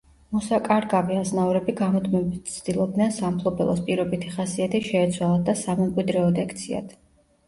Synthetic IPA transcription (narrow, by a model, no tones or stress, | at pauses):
mɔsakʼaɾɡaviaznaɔɾɛbiɡamɔt̪ʰmɛbit̪t̪sʰd̪̥ilˠɔbd̪nɛnsampʰlˠɔbɛ̰lˠɔ̰spʼiɾɔbit̪ʰiχasiat̪ʰiʃɛːt̪sʰwalˠad̪asamɛmkʼwid̪ɾɛɔd̪ɛkʰt̪sʰia̰d̪̥ʰ